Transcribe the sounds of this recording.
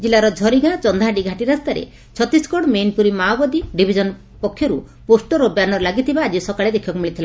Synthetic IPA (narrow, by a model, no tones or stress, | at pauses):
d͡ʒilaɾɔd͡ʒʱɔɾiɡãt͡ʃɔnd̪ʱaɦãɖiɡʱaʈiɾast̪aɾḛ | t͡ʃʰɔt̪iskɔɽɔmenpuɾimabɔd̪iɖibʱid͡ʒɔnɔ | pɔkʰjɔɾu | posʈɔɾobjanɔɾɔlaɡit̪ʰibaːd͡ʒisɔkaɭed̪ekʰibakumiɭit̪ʰila